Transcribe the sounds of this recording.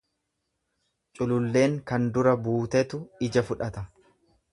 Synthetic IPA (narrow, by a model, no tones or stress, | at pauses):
t͡ʃʼʊlʊlːe̞ːŋkɐnd̪ʊɾɐbuːt̪ɛt̪ʊɪd͡ʒɐfʊᶑɐt̪ɐ